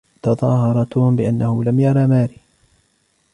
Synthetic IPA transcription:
t̪ɑðˤɑːɦɑɾˤɑt̪ʊhʊmbɪʔanːahʊlamjɑɾˤɑmaːɾiː

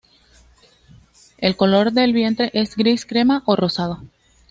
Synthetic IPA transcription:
e̞lko̞lo̞ɾd̪e̞lβje̞nt̪ɾe̞ʔe̞zɡɾiskɾe̞maʔoro̞sað̞o̞

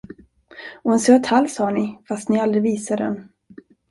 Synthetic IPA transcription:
ɔɛnsøːt̪ʰhalːshɑːɳɪfast̪nɪald̪ɾɪviːsaɖ̪ɛ̰n

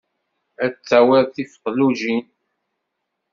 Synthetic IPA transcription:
æt͡sːæwæðθifə̥qluʒin

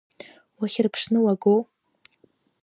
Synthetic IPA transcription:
waχʲɪrpʰʂnɨwaɡo

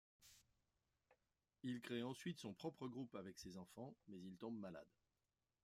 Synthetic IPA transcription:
ilkχeɑ̃sɥit̪sɔ̃pχɔpχəɡʁupavɛksezɑ̃fɑ̃mɛzilt̪ɔ̃bmala̰d̪

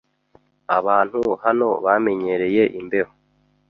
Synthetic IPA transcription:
aβaːn̥huhano̞βame̞ɲe̞ɾe̞je̞ʔimbe̞ho

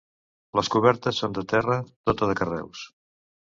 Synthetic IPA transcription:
ləskuβ̞ɛɾt̪əsːond̪ət̪ɛrət̪ot̪əðəkərɛ̰ws

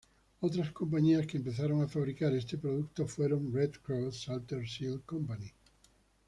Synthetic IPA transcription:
owt̪ɾɐskompaɲiɐskeempeθaɾoŋafaβɾikaɾest̪epɾoðuk̚t̪ofweɾoŋred̪kɾoθsalt̪eɾsilkompani

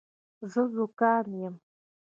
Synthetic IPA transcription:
zɨzukaːnjɛm

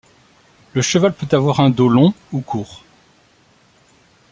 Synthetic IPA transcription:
ləʃəvalpøt̪avwaʁɛ̃d̪olɔ̃ukʰuːʁ

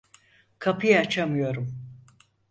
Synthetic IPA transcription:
kʰapʰɯjaːt͡ʃʰamɯjo̞ɾum

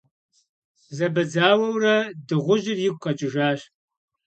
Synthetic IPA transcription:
zɐbɐd͡zaːwɐwrɐdɨʁʷʊʒɪrjɪɡʷʼqɐt͡ʃʼɪʒaːɕ

